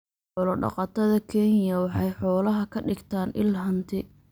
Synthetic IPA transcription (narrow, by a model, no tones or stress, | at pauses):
ħɔlɐɖɑ̰qɑt̪ʰɐðɐkʰɛnjɐwɑħɑjħɔːlɐɦɐkʰɐɖɪɡt̪ʰaːnʔɪ̰lɦɐnt̪ʰɪ